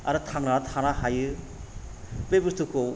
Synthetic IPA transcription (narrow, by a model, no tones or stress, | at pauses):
aɾɯtʰaŋnaɾatʰanahajɯ | bebɯstuko